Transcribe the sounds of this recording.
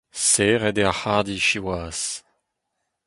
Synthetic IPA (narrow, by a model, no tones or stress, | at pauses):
seʁɛd̪ɛʁhaʁd̪iʃiwaːs